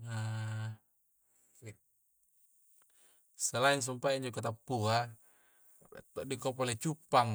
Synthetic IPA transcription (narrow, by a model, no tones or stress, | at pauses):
a | səlains̬umpaiɲd͡ʒɔkot̪apːua | t̪ɔʔdikɔpɔlɛt͡ʃupːaŋ